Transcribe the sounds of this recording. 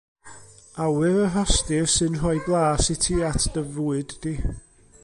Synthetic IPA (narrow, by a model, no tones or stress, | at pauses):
awɨɾəɦɔstɪrsɨnrɔjblˠaːsɪtʰiatʰd̥əvuːɨd̥ːi